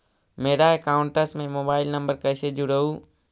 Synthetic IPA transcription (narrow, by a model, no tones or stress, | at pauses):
meːɾaːekaːʊɳʈəsmẽmoːbaːɪlnəmbəɾkɐɪseːd͡ʒuɾɐɦuː